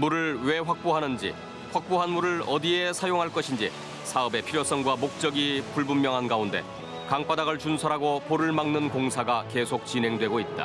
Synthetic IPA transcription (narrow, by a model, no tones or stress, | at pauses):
muɾɯɭwe̞ɸwak̚p͈oɦanɯnd͡ʑḭ | ɸwak̚p͈oɦanmuɾɯɭʌdiesʰajoŋɦaɭk͈ʌɕʰind͡ʑi | sʰaɯbe̞pʰiɾjos͈ʌŋɡwamok̚t͡ɕ͈ʌɡipuɭbumːjʌŋɦanɡaunde̞̰ | kaŋp͈adaɡɯɭt͡ɕunsʰʌɾaɡopoɾɯɭmaŋnɯnkoŋsʰaɡake̞sʰok̚t͡ɕinɦe̞ŋdwe̞ɡoit̚t͈a̰